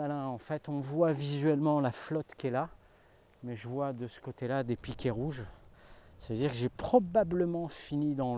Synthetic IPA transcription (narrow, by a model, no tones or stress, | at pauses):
alɛ̃ɑ̃fɛt̪ɔ̃vwavizɥɛlmɑ̃laflɔt̪kʲɛla | mɛʒəvwad̪əsə̥kot̪elad̪epikʲeʁuʒ | savəød̪iʁkəʒepχɔbabləmɑ̃finid̪ɑ̃